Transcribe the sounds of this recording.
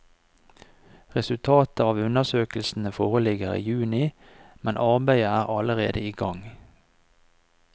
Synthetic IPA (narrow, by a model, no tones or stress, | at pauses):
ʁɛsʉlt̪ʰɑːt̪əɑːʋʉnəʁsøːkl̩sn̩əfoːʁəlɪɡəʁḭːjʉːnɪ | mɛnʔɑʁbæɪəæːʁɑləʁeːd̪əiːɡɑŋ